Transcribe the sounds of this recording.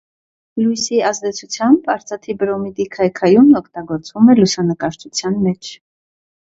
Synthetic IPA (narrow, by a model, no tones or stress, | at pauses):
lujsiɑzd̪ɛt͡sʰut͡sʰjɑmbɑɾt͡sɑt̪ʰibɾɔmid̪ikʰɑjkʰɑjumɔkʰt̪ɑɡɔɾt͡svumɛlusɑnəkɑɾt͡ʃʰut͡sʰjɑnmɛt͡ʃʰ